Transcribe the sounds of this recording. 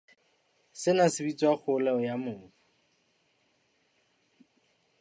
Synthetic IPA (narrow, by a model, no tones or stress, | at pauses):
sɪnasɪbit͡sʼwak͡xʰʊlɛɔjamʊːfɔ̥